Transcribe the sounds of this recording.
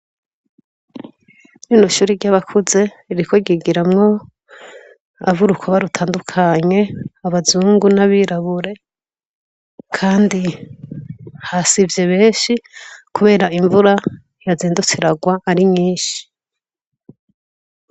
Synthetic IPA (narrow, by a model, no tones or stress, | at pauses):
ninoʃuːɾiɾɟaβakʰuze̞ | ɾikoɡiɡiɾamŋo̞ | a̰vuɾukwaβaɾutʰaːndukʰaɲe̞aβazuːŋɡunaβiɾaβuɾe̞ | kʰaːndi | hasivjeβe̞ːnʃikuβe̞ːɾaiɱvuɾa | jaziːndut͡siɾaɡwaʔːɾimɲiːnʃi̥